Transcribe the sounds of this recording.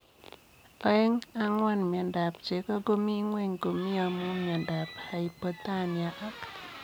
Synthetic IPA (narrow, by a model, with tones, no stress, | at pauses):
ɔ˦ɛ˦ŋa˦ŋwa˦nmja˨nda˨p̚t͡ʃe˨˦kɔ˦ɡo˦mi˦ŋwe˦ɲɡo˨mi˦a˨mo˦mja˨nda˨pha˨i˨po˦t̪a˦˨nja˨ʔa˦k